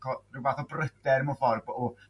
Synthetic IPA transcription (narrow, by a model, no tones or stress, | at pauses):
kʰɔrɪvaːθɔbrəd̥ɛɾmɔfɔrbɔ